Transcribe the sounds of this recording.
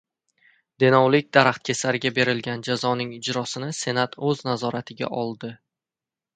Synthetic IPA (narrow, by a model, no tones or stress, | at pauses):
d̪̥enɒwlɪkʲd̪aɾaχt̪̚kʲʰe̞saɾɪɡʲabe̞ɾɪlɡʲand͡ʒazɒnɪŋɪd͡ʒɾɒsɪnɪse̞nat̪ʰɵznazɒɾat̪ʰɪɡʲa̰ʔɒlˠd̪ɪ